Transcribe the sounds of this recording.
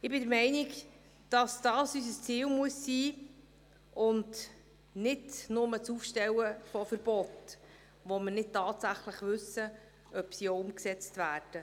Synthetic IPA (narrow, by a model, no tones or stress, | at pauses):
ɪbɪdəɾmɛɪnɪɡ | d̥ɑsd̥ɑːsys̬əst͡siːlmuəsːiː | ʊnd | nɪdnʊmət͡sufʃtɛwəfɔfəɾb̥ɔt | ʋoməɾnɪd̚tɑːtsæχləχʋɵsə | œpsioʊmksɛt͡stvæːrd̥ə